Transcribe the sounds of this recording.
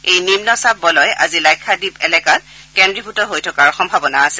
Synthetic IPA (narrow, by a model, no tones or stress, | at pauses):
ejnimnɔsab̚ːɔlɔja̰zilajkʰːadipɛlɛkat̚kɛndɹibʱutɔɦojtʰɔkaɹɔxɔmbʱabɔnaːsɛ